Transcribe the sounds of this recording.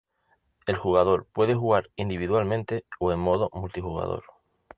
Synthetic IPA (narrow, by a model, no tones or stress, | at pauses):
e̞lxuɣ̞að̞o̞ɾpwe̞ð̞e̞xuɣaɾind̪iβiðwalmẽ̞nt̪e̞oe̞mmo̞ðo̞mult̪ixuɣa̰ðo̰ɾ